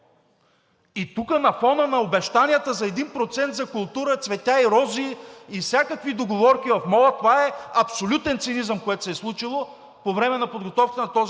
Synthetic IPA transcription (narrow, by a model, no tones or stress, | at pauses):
it̪ukənɐfɔnənɐobɛʃt̪anʲijət̪əzɐɛd̪inpɾot̪sɛnt̪zɐkʊlˠt̪uɾət̪svɛt̪ʲaiɾɔziːfsʲakəkvid̪oɡovɔɾkʲivɐfmɔlˠət̪ovaɛɐpsolʲut̪ɛnt̪sinizəmkoɛt̪ʊ̥sɛslˠut͡ʃilˠo | povɾɛmɛnɐpod̪ɡot̪ɔfkə̥t̪ɛnɐt̪ɔz